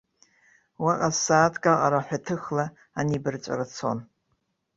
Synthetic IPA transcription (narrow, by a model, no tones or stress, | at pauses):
waqʼasaːtʰkʼaqʼaɾaħʷᶣatʰɨxla | anibɨrt͡ʃʷʼa̰rat͡sʰo̰n